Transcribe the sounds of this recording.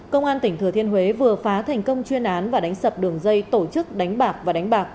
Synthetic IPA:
kə˧wŋ͡mʔaː˧nt̪ï˧˩ŋ̟t̪ʰɨ˧˩ət̪ʰi˧ənɦwe˨˦vɨ˨˩əfaː˨˦t̪ʰɛ˨˩jŋ̟kə˧wŋ͡mt͡ɕwi˧ənʔaː˨˦nvaː˨˩ɗa˨˦ŋ̟sə˨˩p̚ɗɨ˨˩əŋzə˧jt̪o˧˩t͡ɕɨ˦˥k̚ɗa˨˦ŋ̟ɓaː˨˩k̚vaː˨˩ɗa˨˦jŋ̟ɓaː˨˩k̚

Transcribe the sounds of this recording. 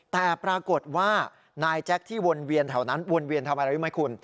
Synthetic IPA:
t̪ɛː˨˩pɾaː˧ko˨˩t̪̚waː˥˩ | naː˧jt͡ɕɛ˦˥k̚t̪ʰiː˥˩wo˧nwi˧ənt̪ʰa˨˩wna˦˥nwo˧nwi˧ənt̪ʰa˧ma˧ɾa˧˦i˦˥˩ma˦˥jkʰu˧n

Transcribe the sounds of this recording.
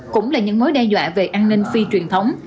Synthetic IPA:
kʊ̰˧˥ŋ͡mlaː˨˩ɲɨ̰˧˥ŋmo˨˦jɗɛ˧zwa̰ː˧˨ve˨˩ʔaː˧nnï˧ŋ̟fi˧t͡ɕwi˨˩ənt̪ʰə˨˦wŋ͡m

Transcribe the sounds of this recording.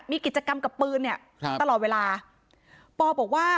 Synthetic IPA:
miː˧ki˨˩t̪̚t͡ɕa˧ka˧mka˨˩pːɯː˧nːi˥˩ɐ | a˧lɔː˨˩t̪̚weː˧laː˧ | pɔː˧bɔː˨˩k̚waː˥˩

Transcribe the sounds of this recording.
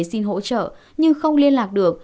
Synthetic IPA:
si˧nɦo̰˧˥t͡ɕə̰ː˧˨ | ɲɨ˧ŋxə˧wŋ͡mli˧ənlaː˨˩k̚ɗɨ˨˩ək̚

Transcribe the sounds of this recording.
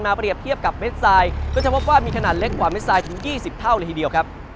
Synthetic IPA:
nmaː˧pɾi˨˩ət̪ʰi˥˩əp̚ka˨˩p̚me˦˥t̪̚saː˧jkɔː˥˩t͡ɕa˨˩pʰo˦˥p̚waː˥˩miː˧kʰa˧naː˨˩t̪̚le˦˥kːwaː˨˩me˦˥t̪̚saː˧jt̪ʰɯ˩˦ŋjiː˥˩si˨˩p̚t̪ʰa˥˩wɾːt̪ʰiː˨˩di˧əwkʰa˦˥p̚

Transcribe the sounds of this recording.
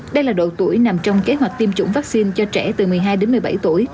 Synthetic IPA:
ɗə˧jlaː˨˩ɗo̰˧˨t̪u˧˩əjna˨˩mt͡ɕɔ˧wŋ͡mke˨˦ɦwa˨˩k̟̚t̪i˧mt͡ɕʊ̰˧˥ŋ͡mvaː˦˥k̚si˧nt͡ɕɔ˧t͡ɕɛ̰˧˩t̪ɨ˨˩mɨ˨˩əjɦaː˧jɗe˨˦nm˨˩jɓa̰˧˩jt̪u˧˩əj

